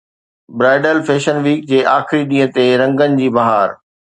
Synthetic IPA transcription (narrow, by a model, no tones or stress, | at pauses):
bɾaːɖəlfeːʃənʋiːk̚d͡ʑeːʔaːxɪɾiɗĩːə̃t̪eɾɐ̃ŋɡənɪ̆d͡ʑiːbɐɦaːɾ